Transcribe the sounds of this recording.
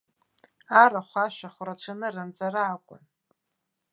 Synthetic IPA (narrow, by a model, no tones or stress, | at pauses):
aɾaχʷaʃʷᶣaχʷrat͡ɕʷʰanɨrɨnt͡sʼaraːkʷʼʊ̰n